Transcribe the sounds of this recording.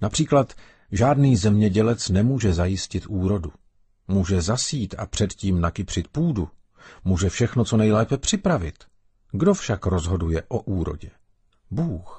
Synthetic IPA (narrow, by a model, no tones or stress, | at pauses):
napr̥iːklat̪ | ʒaːdniːzɛmɲɛɟɛlɛt͡snɛmuːʒɛzajɪscɪt̪ʔuːɾo̞du | muːʒɛzasiːt̪a̰pr̝̥ɛt̪ciːmnakɪpr̝̥ɪt̪̚puːdu | muːʒɛfʃɛxnot͡so̞nɛjlɛːpɛpr̝̥ɪpɾavɪt̪ | ɡdo̞fʃakɾo̞zɦo̞dujɛʔo̞ʔuːɾo̞̰ɟɛ | buːx